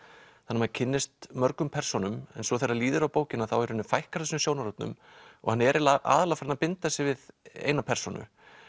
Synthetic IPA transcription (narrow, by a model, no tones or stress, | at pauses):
θanːmacʰɪnːɪst̪mœɾkʏmpʰɛr̥sɔnʏmɛ̰nsɔθejrːaliːðʏɾawpoːwcɪnaθawɛɾhʏnːʏfajhkaɾ̥θɛsʏmsjoːwnaɾɔt̪nʏ̰m | ɔ̰ɣhanːɛɾɪlaa̰ːðalafɾɪnapɪnt̪aɛsɪvɪðḛːjnapʰɛr̥sɔnʏ̰